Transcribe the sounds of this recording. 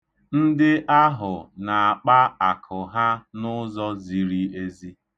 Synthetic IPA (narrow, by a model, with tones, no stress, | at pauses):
n̩˦dɪ˦ʔa˦ɦʊ˨na˨a˨k͡pa˦a˨kʰʊ˨ɦa˦nʊ˦zɔ˦zi˨ɾi˦e˦zi˦